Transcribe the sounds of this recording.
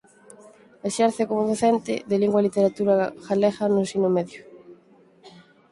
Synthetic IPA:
eʃɛɾθekomoðoθɛnt̪ɪ̰ðeliŋɡwalit̪eɾat̪uɾaxalɛɣɐnʊsinomɛðjʊ

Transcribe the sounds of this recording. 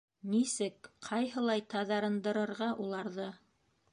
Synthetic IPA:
nisɘkqʰɑjɦɤ̆lˠɑjt̪ɑðɑɾɤ̆nd̪ɤ̆ɾɤ̆ɾʁɑʔulˠɑɾðɤ

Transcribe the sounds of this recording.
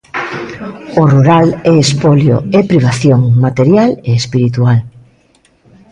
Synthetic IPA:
oruɾalɛespoljo̰ɛpɾiβaθjoŋmat̪eɾjaleespiɾit̪ual

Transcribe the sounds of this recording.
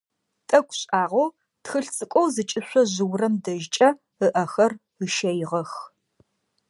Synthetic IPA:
tʼɐkʷʰʼɕʼaːʁʷow | txɨɬt͡sʼɨkʷʼɔwzɨt͡ʃʼɪɕʷɔʑɨwrɐmdɐʒt͡ʃʼɐ | əʔɐxɐr | əʃɐjɪʁɐx

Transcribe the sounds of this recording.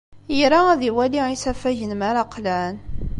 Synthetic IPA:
jɾaæðiwæliisæfæʝənmaɾaqːlæn

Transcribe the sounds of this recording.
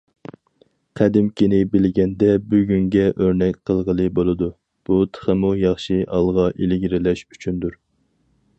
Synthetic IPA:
qʰæd̪ɪmkʲʰinɪbɪlɡʲɛnd̪ɛbyɡʲyŋɡʲɛʔøɾnɛkʲqʰəlˠʁəlˠɨbolˠɨd̪u | b̥ut̪ʰə̥χəmujɑχʃiʔɑlˠʁɑʔelɪɡʲiɾɪlɛʃyt͡ʃʰynd̪uɾ

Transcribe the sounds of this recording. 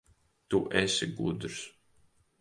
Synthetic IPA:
t̪uʔɛsʲiɡud̪ɾs

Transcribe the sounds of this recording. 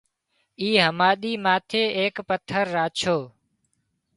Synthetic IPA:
iːɦəmaːɗ̪iːmaːt̪ʰeːʔeːkpət̪ʰːəɾːaːt͡ʃʰoː

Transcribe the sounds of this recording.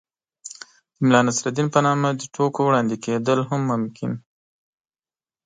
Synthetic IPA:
d̪̥əmɪlɑnasɾad̪inpənɑmad̪əʈʰokowɽɑnd̪iked̪əlɦʊmːʊmkɪn

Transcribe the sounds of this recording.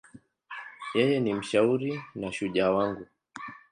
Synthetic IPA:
jɛjɛnim̩ʃauɾinaʃuʄawaŋɡu

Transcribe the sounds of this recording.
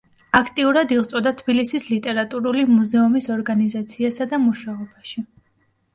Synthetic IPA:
akʰt̪ʼiuɾad̪iʁt̪sʼɔd̪at̪ʰb̥ilisislit̪ʼɛɾat̪ʼuɾulimuzɛumisɔɾɡanizat̪sʰiasad̪amuʃaɔbaʃi

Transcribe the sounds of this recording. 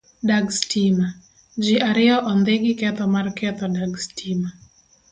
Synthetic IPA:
daɡstima | d͡ʒiʔaɾɪɔʔɔnd̪eɡɪkɛt̪ɔmarkɛt̪ɔdaɡstʰima

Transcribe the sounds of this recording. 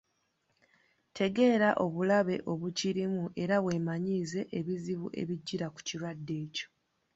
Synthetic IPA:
tʰe̞ɡe̞ːɾaʔo̞βulaβe̞ʔo̞βuciɾimuʔe̞ɾaβwe̞ːmaɲiːze̞ʔeβiziβuʔe̞̰βiɟːiɾaku̥ciɾwadːe̞ːco̞̥

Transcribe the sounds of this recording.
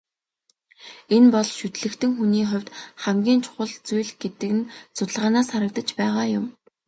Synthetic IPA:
enpɔɮʃɵt̪ɮɘ̆kt̪ʰɘ̆ŋxuniːχʊ̟wʲt̪χæmɡʲiːnt͡ɕʰʊ̥χə̆ɮt͡sujɮɡ̥et̪ɘ̆kɘ̆nt͡sʰʊt̪ə̆ɮʁaːnaːsχaɾə̆k̚t̪ə̆t͡ɕpæːʁaːjʊm

